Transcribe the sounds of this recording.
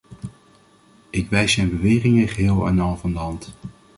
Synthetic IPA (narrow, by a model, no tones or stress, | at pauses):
ʔɪkʋɛjsmɛjnbəʋɪːrɪŋəχəɦɪːlˠɛ̰nɑlˠvɑndəɦɑnt